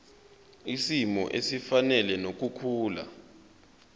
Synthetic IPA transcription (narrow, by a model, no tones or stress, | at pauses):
isimɔ̰ʔesifanɛlɛnok̬ukʰuːla̰